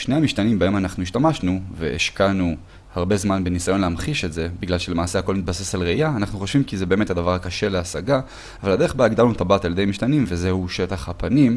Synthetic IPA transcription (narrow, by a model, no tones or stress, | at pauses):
ʃnejamiʃt̪animbaemanaχnuiʃtamaʃnuvḛeʃkanu | haʁbe̞zmanbenisajo̞nleamχiʃetze̞biɡlalʃele̞maːse̞hako̞lmit̪̚base̞salʁeijaːnaχnuχo̞ʃvimkizebe̞ːme̞thad̪avaʁakaʃe̞leasaɡa | avalad̪e̞eχbaiɡd̪alnut̪abat̪aljede̞jmiʃt̪animve̞zehuʃe̞taχhapanim